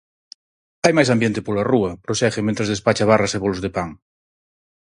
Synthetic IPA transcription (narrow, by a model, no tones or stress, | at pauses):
ajmajsambjent̪epolaruɐpɾoʃɛxemẽnt̪ɾezðespat͡ʃaβ̞araseβolozðepaŋ